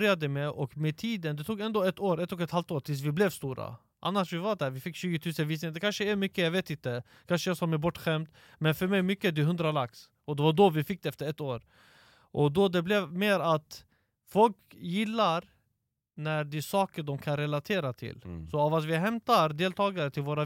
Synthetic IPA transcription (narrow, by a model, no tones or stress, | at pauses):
ɾjad̪əmeʔɔkmɛt̪ʰiːd̪ənd̪ɛt̪ʰuːɡɛnd̪oːɛt̪ːoːɾɛt̪ːɔkɛt̪halft̪oːʈ̪ʰɪlsvɪblɛvst̪uːɾa̰ | ʔa̰nːaʂvɪvad̪æːɾvɪfɪkːɕʉ̟ːɡət̪ʰʉːsənviːsnɪŋənd̪ɛkʰanʂəæɾmʏkːəjaɡveːt̪ɪnt̪ə | kʰanʂəasɔmɛbɔʈːɧɛmt̪ | mɛnfœɾmɛjmʏkːəd̪ɛɦɵnd̪ɾalaks | ɔd̪ɛvaɖɔvɪfɪk̚ːd̪ɛɛft̪əɾɛt̪ːoːɾ | ʔɔd̪ɔd̪ɛblɛvmeːɾat̪ | fɔlk | jɪlːaɾ | næɖ̪ɪsɑːkəɖɔmkʰanɾɛlat̪ʰeːɾat̪ʰɪ̰lsɔavat̪vɪɦɛmt̪aɾd̪eːlt̪ʰɑːɡaɾət̪ʰɪlvoːɾa